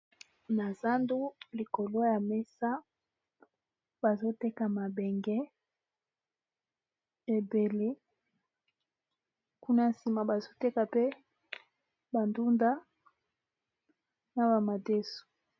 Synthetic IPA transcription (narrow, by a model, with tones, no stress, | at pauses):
na˨za˦ndu˦li˨ko˨lo˦ja˨me˦sa˦ | ba˨zo˦te˦ka˨ma˨bɛ˨ŋɡɛ˦ | e˨be˨le˦ | ku˦na˦si˨ma˨ba˨zo˦te˦ka˨pe˦ | ba˨ndu˦nda˦ | na˨ba˨ma˨de˦su̥˨